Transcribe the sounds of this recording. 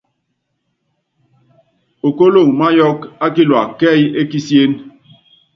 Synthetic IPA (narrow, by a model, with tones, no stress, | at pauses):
o˨ko˦lo˦˨ŋma˦jɔ˦ka˦ki˦lwa̰˨kɛ˦˨je˦ki˦sje˦n